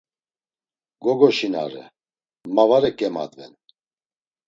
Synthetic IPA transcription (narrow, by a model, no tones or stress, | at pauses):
ɡɔɡɔʃina̰ɾɛ̰ | mavaɾɛkʼɛma̰d̪vɛ̰n